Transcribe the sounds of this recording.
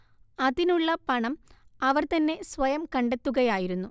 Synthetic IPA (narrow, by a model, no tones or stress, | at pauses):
ɐðinuɭːɐpɐɳɐmɐʋɐrt̪ɐnːe̞sʋɐjɐmkɐɳɖe̞t̪ːuɣɐjaːjiɾunːu